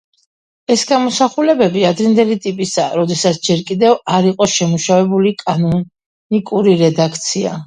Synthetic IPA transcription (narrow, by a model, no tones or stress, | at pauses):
ɛsɡamɔsaχulɛbɛbiad̪ɾind̪ɛlit̪ʼipʼisaɾɔd̪ɛsat̪sʰd͡ʒɛɾkʼid̪ɛvaɾiqʼɔʃɛmuʃavɛbulikʼanɔ | nikʼuɾiɾɛd̪akʰt̪sʰia̰